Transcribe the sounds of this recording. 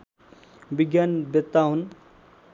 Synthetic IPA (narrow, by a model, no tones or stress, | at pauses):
biɡjanbet̪ːaɦun